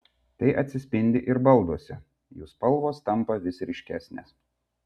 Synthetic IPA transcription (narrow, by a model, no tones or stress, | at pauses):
t̪ɐɪʔɐt̪ʲsʲɪsʲpʲɪnʲd̪ʲɪʔɪɾbɐlˠˑd̪uɔsʲɪ | juːspɐlˠʋoːst̪ɐmˑpɐʋʲɪsɾʲɪʃʲkʲæːsʲnʲḛːs